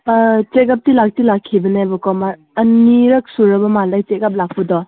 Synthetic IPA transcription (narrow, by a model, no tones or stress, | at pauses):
t͡ʃeɡap̚tilak̚tilakʰːibɐnebɔkɔmaɾ | ɐniɾɐk̚suɾɐbɐmalajt͡ʃeɡap̚lak̚ʰpudɔ